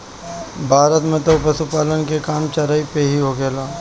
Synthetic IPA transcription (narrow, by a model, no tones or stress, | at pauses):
bʱaːɾət̪mẽt̪opəsupaːlənkekaːmt͡ʃɐɾaːipeɦiɦoːɡeːlaː